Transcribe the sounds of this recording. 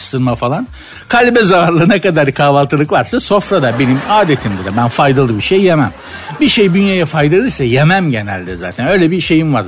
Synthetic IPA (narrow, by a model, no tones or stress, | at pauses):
st̪ʰɯɾmafalˠan | kʰalʲbɛzavaɾlˠɯnɛkad̪aɾkʰaːvalˠt̪ʰɯlˠɯkvaɾsaso̞fɾad̪abe̞nimaːd̪et̪ʰimd̪ɛd̪ɛbænfajd̪alˠɯbiʃejːemæm | biʃejd̪ynjajafajd̪alˠɯjsajemæmɟenæ̰lʲd̪ɛza̰ːt̪ʰænø̞jlʲɛbiʃe̞jimvaɾ